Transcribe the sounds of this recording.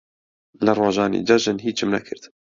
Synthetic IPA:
lɐrˤoːʒɑːnḭd͡ʒɐʒɨnɦiːt͡ʃɨmnɐkʰɨ̰ɾd̪

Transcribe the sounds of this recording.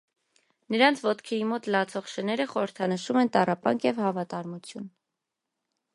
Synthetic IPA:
nəɾɑnt͡sʰvɔt̪kʰɛimɔt̪lɑt͡sʰɔʁʃənɛɾəχɔɾəɾt̪ʰɑnəʃumɛnt̪ɑrɑpɑ̰ŋkʰjɛvhɑvɑt̪ɑɾmut͡sʰjun

